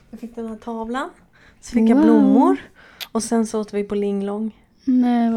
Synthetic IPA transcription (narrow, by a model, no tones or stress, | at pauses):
vafɪk̚ːd̪ɛnæt̪ʰɑːvlan | svɪŋkːablʊmːʊɾ | ɔsɛnsɔoːt̪vɪpʰɔlɪŋːlɔŋː | nɛ